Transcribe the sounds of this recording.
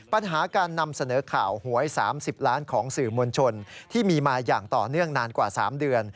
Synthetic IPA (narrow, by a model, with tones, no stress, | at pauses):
pa˧nɦaː˩˦kaː˧nːa˧msa˧nɤː˩˦kʰa̰ː˨˩whu˩˦əjsa̰ː˩˦msi˨˩p̚ɾaː˦˥nkʰɔː˩˦ŋsɯː˨˩mo˧nt͡ɕʰo˧nt̪ʰiː˥˩miː˧maː˧jaː˨˩ŋt̪ɔː˨˩nɯ˥˩əŋnaː˧nkwaː˨˩saː˩˦mdɯ˧ən